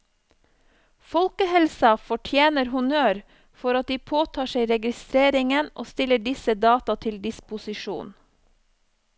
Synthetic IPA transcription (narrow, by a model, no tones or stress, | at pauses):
fɔlkəhɛlsɑfɔʈʰjeːnəɾhʊnøːɾ | fɔɾɑt̪̚d̪iːpʰoːt̪ʰɑːʃeɪɾɛɡɪst̪ɾeːɾɪŋənʔo̰ːst̪ɪləɖɪsəd̪ɑːt̪ɑt̪ʰɪld̪ɪspʊsɪʃṵːn